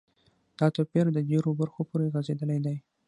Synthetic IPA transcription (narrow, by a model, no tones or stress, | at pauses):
d̪̥ɑt̪opeɾd̪əɖeɾobaɾxopoɾeɣazed̪əlajd̪aj